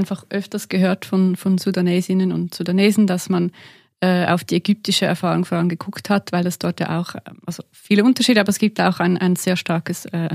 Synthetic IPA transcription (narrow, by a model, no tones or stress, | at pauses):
ɪnfaχʔœftɐsɡ̥əɦøːɐtfɔnfɔnzudaneːzɪnənʊ̰ntsudaneːzn̩dasman | ɛːa̰ʊfd̥iːɛɡʏp̚tɪʃəɛ̰ɐfaːʁʊŋfɔʁʊŋɡəɡʊkthatv̥aɪlɛsd̥ɔɐtja̰ːʔa̰ʊxʔalz̥o | fiːləʊntɐʃiːdəabɐɛsɡ̥iːp̚tjaaʊxaɪnʔa̰ɪnz̥eːɐʃtaɐkəsɛː